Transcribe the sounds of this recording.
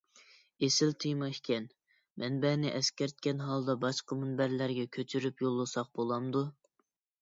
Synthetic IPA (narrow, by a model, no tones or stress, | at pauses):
esɪlt̪ʰɨjmɑʃkʲɛn | mʔɛnbɛnɪʔɛskʲɛɾt̪̚kʲɛnɦɑlˠd̪ɑbɑʃqəmunbæɾlæɾɡʲɛkʲʰøt͡ʃʰyɾypjolˠːɨsɑq̚bolˠɑmd̪u